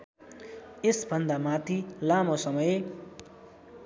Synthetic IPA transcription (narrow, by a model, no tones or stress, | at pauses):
esbʱʌnd̪amat̪ʰilamosʌmʌj